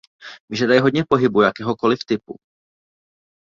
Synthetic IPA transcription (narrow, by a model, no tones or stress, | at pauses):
vɪʒadajɛɦo̞dɲɛpo̞ɦɪbujakɛːɦo̞ko̞lɪft̪ɪpṵ